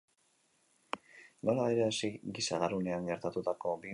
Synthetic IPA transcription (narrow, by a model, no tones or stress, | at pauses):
no̞laβeɾeasiɡisaɣarune̞aŋɡe̞ɾt̪at̪ut̪ako̞bi